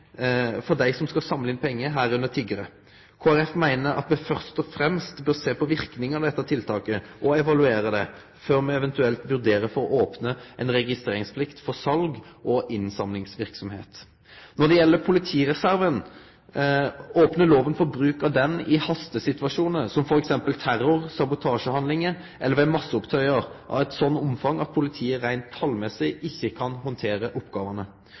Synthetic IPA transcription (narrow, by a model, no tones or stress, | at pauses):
fɔɖ̪æɪsɔmskɑsɑmləɪnpʰɛŋːəɦæːɾʉnət̪ʰɪɡəɾə | kʰoːæɾɛfmæɪnəɾɑ̰t̪mɛfœʁst̪ɔfɾɛmst̪bøːɾseːpɔʋɪɾknɪŋɑd̪ɛt̪ːət̪ʰɪlt̪ʰɑːkəʔɔɛʋɑlʉeːɾəd̪ɛ | føːɾmɛɛʋɛnt̪ʉɛlt̪ʋʉd̪eːɾəfɔɾɔʔoːpnəʔɛnɾɛɡɪst̪ʁeːɾɪŋspʰlɪkt̪fɔsɑlɡʔɔʔɪnsɑmlɪŋsʋɪɾksɔmhḛːt̪ | nɔd̪ɛjɛlːəpʰʊlɪt̪ʰiːɾɛsæɾʋən | oːpnəloːʋənfɔɾbɾʉːkəd̪ɛnɪhɑst̪əsɪt̪ʋɑʂuːnəsɔmfɔɾɛksɛmpəlt̪ʰæɾʊʁsɑbʊt̪ʰɑːʂəhɑnlɪŋə | ʔɛlːəɾʋɛmɑsːəɔpt̪ʰœʏəɾʔɑ̰ʋɛt̪sɔnːʊmfɑŋɑt̪̚pʰʊlɪt̪ʰiːəɾæɪnt̪ʰːɑlːmɛsɪʔɪçːəkʰɑnɦɔnt̪ʰeːɾəʔɔpːɡɑːʋənə